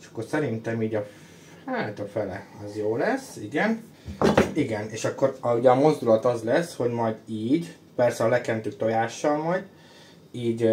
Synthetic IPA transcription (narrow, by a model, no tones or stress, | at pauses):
eʃɒ̥kːorsɛɾint̪ɛmiːɟɒ | haːt̪ɒfɛlɛ̰ɒzjoːlɛsiɡɛn | iɡɛneːʃɒkːo̞ruɟɛɒmo̞zd̪ulɒt̪ɒzlɛsho̞ɟmɒjd̪iːɟ | pɛrsɛɒlɛkɛnt̪øːt̪o̞jaːʃːɒlmɒjd̪ | iːɟ